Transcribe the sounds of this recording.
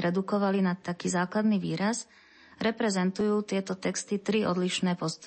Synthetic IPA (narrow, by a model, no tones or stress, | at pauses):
ɾɛd̪ukɔʋalinat̪ːakiːzaːklad̪niʋiːɾas | ɾɛpɾɛzɛnt̪ujuːt̪ɪɛt̪ɔt̪ɛkst̪it̪ɾiʔɔ̰d̪liʃnɛːpɔst̪